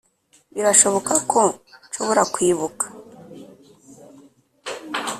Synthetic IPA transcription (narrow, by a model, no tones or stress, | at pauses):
βiɾaʃo̞βo̞kakʰo̞nʃoβoɾakwiːβukḁ